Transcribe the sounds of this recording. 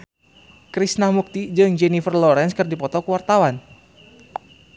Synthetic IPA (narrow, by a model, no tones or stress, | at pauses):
kɾisnamuk̚t̪id͡ʒɨŋd͡ʒɛnifərlɔɾɛnskɨrdipɔt̪ɔkəwart̪awan